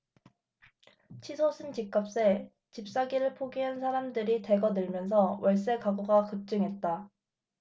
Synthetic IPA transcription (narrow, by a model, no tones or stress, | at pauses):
t͡ɕʰisʰosʰɯnt͡ɕik͈ap̚s͈e | t͡ɕip̚s͈aɡiɾɯɭpʰoɡiɦansʰaɾamdɯɾite̞ɡʌdɯɭmjʌns̬ʰʌwʌɭs͈e̞kaɡoɡakɯp̚t͡ɕ͈ɯŋɦe̞t̚t͈a